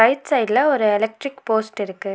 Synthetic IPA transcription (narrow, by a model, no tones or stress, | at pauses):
ɐɪʈsɐɪɖlɐɔɾɯɛlɛk̚ʈɾɪkpoːsʈɪɾɯkːɯ